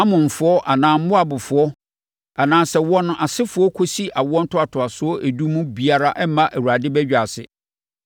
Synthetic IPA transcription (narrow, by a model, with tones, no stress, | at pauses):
ã˦mʊ̃˨m̩˨fʊ˨˦ɔ˦ʔa˨nãː˨m̩˦mʊ̃˦a˨bʊ˨fʊ˨ɔ˦ | a˨nãː˨sɛ˨wɔ̃˦nʊ̃˦ʔa˨sɪ˦fʊ˨˦ɔ˦kʰo˦si˦ʔa˨wɔ̃˦n̩˦tʰʊ˦a˨tʰʊ˨a˨sʊ˦ɔ˦ʔæ˨du˦mũ˦bi˨a˨ɾa˦ʔɛ˦mã˦ʔæ˨wu˨ɾa˨dɪ˦bɛ˦d͡ʑᶣa˨sɪ̰˨